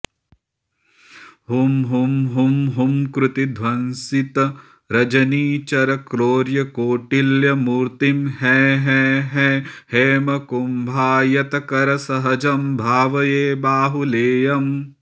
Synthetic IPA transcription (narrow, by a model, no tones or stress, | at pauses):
ɦumɦumɦumɦumkɾut̪id̪ʱʋɐnsit̪ɐ | ɾɐd͡ʒɐniːt͡ʃɐɾɐkɾoːɾjɐkoːʈiljɐmuːɾt̪imɦɛːɦɛɦɛheːmɐkumbʱaːjɐt̪ɐkɐɾɐsɐɦɐd͡ʒɐmbʱaːʋɐjeːbaːɦuleːjɐm